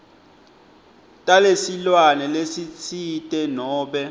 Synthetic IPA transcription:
tʼalesilwanɛlesit͡sʰitʼɛnɔːɓɛ

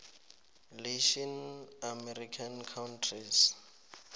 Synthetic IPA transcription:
leʃɔnamɛɾikʰankʰawntʰris

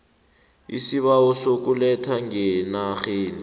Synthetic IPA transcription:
ḭsiβaɔsok̬ʼulɛtʰaŋɛnaxeːni

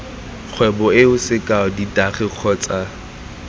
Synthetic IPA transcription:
k͡xʰwɛbɔɪʊsɪkʼaɔditʼaχɪq͡χʰɔt͡sʼa

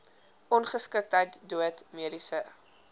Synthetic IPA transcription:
ʔɔnχəskək̚tɦəjtduətmiəɾisə

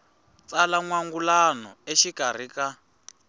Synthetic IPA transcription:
t͡salaŋwaŋɡulanɔ̰eʃiɡ̥ʱar̤ika

